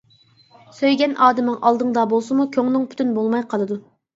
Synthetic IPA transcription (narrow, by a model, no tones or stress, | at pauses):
søjɡʲɛnʔɑːd̪ɨmɨŋʔɑlˠd̪ɨŋd̪ɑbolˠsɨmukʲʰøŋnɨŋpʰy̥t̪ʰynbolˠmɑjqʰɑlˠɨd̪u